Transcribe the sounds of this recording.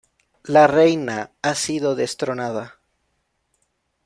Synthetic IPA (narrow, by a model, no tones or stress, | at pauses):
larejnaasiðo̞ðe̞st̪ɾo̞naða